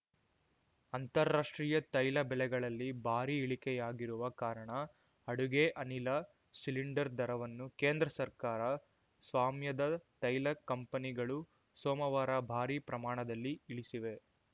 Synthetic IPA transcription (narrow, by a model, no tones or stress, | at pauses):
ɐnt̪ɐɾːaːʂʈɾijɐt̪ɐjlɐbɛlɛɡɐɭɐlːibʱaːɾiːɭikɛjaːɡiɾuʋɐkaːɾɐɳɐ | ɐɽuɡeʔɐnilɐ | siliɳɖɐɾd̪ɐɾɐʋɐnːukeːnd̪ɾɐsɐɾkaːɾɐ | sʋaːmjɐd̪ɐt̪ɐjlɐkɐmpɐniɡɐɭu | soːmɐʋaːɾɐbʱaːɾipɾɐmaːɳɐd̪ɐlːiiɭisiʋe̞